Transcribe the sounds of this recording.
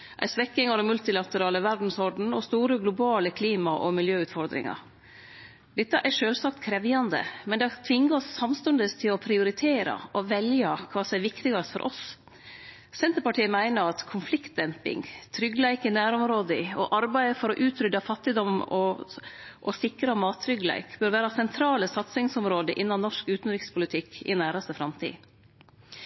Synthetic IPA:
ʔæ̰ɪsʋɛkːɪŋɑd̪ɛnmʉlt̪ɪlɑt̪əɾɑːləʋæɾɖn̩sɔɾɖn̩ɔst̪uːɾəɡlʊbɑːləkʰliːmɑʔɔmɪljøːʉːt̪fɔɾd̪ɾɪ̰ŋɑ̰ɾ | d̪ɛt̪ːəʔæʂøːlsɑːkt̪kʰɾɛʋjɑnd̪ə̰mɛnd̪ɛɑt̪ʰʋɪŋːəɔsːɑmst̪ʉnd̪əst̪ʰɪlɔpʰɾɪʊɾɪt̪ʰeːɾɑ̰ʔɔʋɛljɑkʰʋɑːsɔmɛʋɪkt̪ɪɡɑst̪fɔ̰ɾʔɔ̰s | sɛnt̪əɾpɑʈʰiːəmæɪnəɾɑt̪kʰʊnflɪkt̪̚d̪ɛmpɪ̰ŋt̪ʰɾʏɡːlæɪkɪnæːɾɔmɾoːd̪ɪɔʔɑɾbæɪfɔɾɔʔʉːt̪ʰɾʏd̪ɑfɑt̪ːɪd̪ɔmɔ | ʔɔsɪkɾɑmɑːt̪ʰːɾʏɡlæ̰ɪkbœɾʋæːɾɑsɛnt̪ʰɾɑːləsɑt̪sɪŋsɔmɾoːd̪əʔɪnːɑnɔʂkʉːt̪nɾɪkspʰʊlɪt̪ʰɪkːɪ̰næːɾɑst̪əfɾɑmt̪ʰḭː

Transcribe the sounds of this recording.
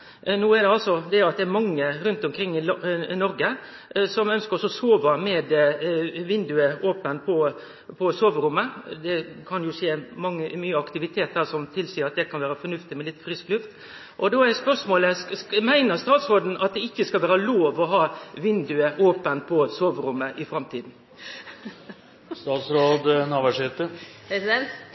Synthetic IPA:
nuːɛd̪ɛɑlsɔd̪ɛɑt̪̚d̪ɛæɾmɑŋːəɾʉnt̪ɔmkʰɾɪŋːɪnɔɾɡə | sɔmœnskəɾɔsɔsoːʋəmɛd̪ | ʋɪnd̪ʉəoːpənpʰɔ | pʰɔsoːʋəɾʊmːəd̪ɛkʰɑnjʊʂeːmɑŋːəmyːəɑkt̪ɪʋɪt̪ʰeːt̪̚d̪æːɾsɔmt̪ʰɪlsiːəɾɑt̪d̪ɛkɑnʋæːɾəfɔɾnʉft̪ɪmɛlɪt̪ːfɾɪsklʉft̪ | ʔɔd̪oːæɾspœʂmoːləmæɪnəɾst̪ɑːt̪sɾoːd̪n̩ɑt̪̚d̪ɛɪkːəskɑlʋæːɾəloːʋɔɦɑːʋɪnd̪ʉəʔoːpənpʰɔsoːʋɾʊmːəʔɪfɾɑmt̪ʰiːd̪n̩ | st̪ɑːt̪sɾoːd̪nɑːʋæʂɪt̪əsɛ

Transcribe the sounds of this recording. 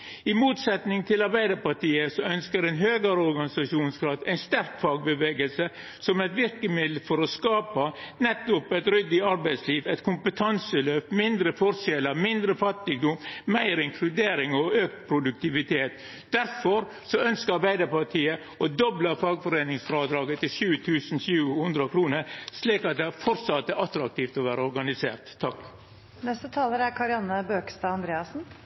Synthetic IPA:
ɪmuːt̪sɛt̪nɪŋt̪ʰɪlɑɾbæɪd̪əɾpɑʈʰiːəsɔœnskəɾɛnɦøːɡəɾəɔɾɡɑnɪsɑʃuːnskʰɾɑt̪æɪnst̪æɾkfɑːɡ̚bəʋeːɡəlsə | sɔmɛt̪ʋɪɾkəmɪd̪lːəfɔɾɔskɑːpənɛt̪ːʊpɛt̪ɾʏd̪ɪɑɾbæɪt̪sliːʋɛɪt̪kʰʊmpət̪ʰɑnsəløːpmɪnd̪ɾəfɔɾʂjɛləmɪnd̪ɾəfɑt̪ːɪɡd̪ʊmmæɪɾɪŋkʰlʉd̪eːɾɪŋɔøːkt̪pʰɾʊd̪ʉk̚t̪ɪʋɪt̪ʰeːt̪ | d̪æɾfɔɾ | sɔœnskəɾɑɾbæɪd̪əɾpɑʈʰiːə | ɔd̪ɔbləfɑːɡfɔɾeːnɪŋsfɾɑːd̪ɾɑːɡət̪ʰɪlʃʉːt̪ʰʉːsn̩sʉːhʉnd̪ɾəkʰɾuːnəɾsliːkɑt̪̚d̪ɛæfɔɾt̪sɑt̪ːəʔɑt̪ɾɑk̚t̪ʰiːft̪ɔʋæːɾəɔɾɡɑnɪsḛːɾt̪ʰːɑk | nɛst̪ət̪ʰɑːləɾæɾkʰɑɾɪɑnːəbøːkst̪ɑːɑnd̪ɾeːɑsn̩

